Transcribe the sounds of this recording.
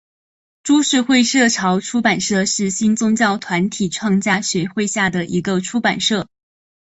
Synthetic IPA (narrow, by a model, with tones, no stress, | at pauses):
ʈ͡ʂu˥ʂɻ̩˥˧xwe˥˧ɪʂɤ˥˩ʈ͡ʂʰɑ˧˥ʊʈ͡ʂʰu˥pa˨˩nʂɤ˥˧ʂɻ̩˥˩ɕi˥nt͡sʊ˥ŋt͡ɕjɑ˥˩ʊt̪ʰwa˧˥nt̪ʰi˨˩ʈ͡ʂʰwɑ˥˧ŋt͡ɕja˥ɕɥɛ˧˥xwe˥˧ɪɕja˥˩d̪ə˩ʔi˧˥ɡə˧ʈ͡ʂʰu˥pa̰˨˩nʂɤ˥˩